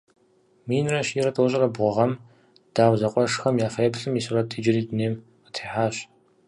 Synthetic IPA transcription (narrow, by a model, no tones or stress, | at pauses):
miːnrɐɕiːɾɐtʰʼoːɕʼɐrɐbʁʷɔʁɐm | d̥aːwzɐqʷʼɔʂxɐmjaːfɐjɛpɬɨmiːsɨrɐtʰʼiːd͡ʒɪriːdɨneːm | ətʰeːħaːɕ